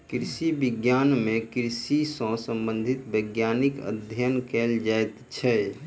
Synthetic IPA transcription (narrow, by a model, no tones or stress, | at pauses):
kɾɪsibɪɡjaːnmẽkɾɪsisə̃sə̃mbə̃nd̪ʱɪt̪bəɡjaːnikə̰d̪ʱjənkɛːld͡ʒaːɛt̪t͡ʃʰɛ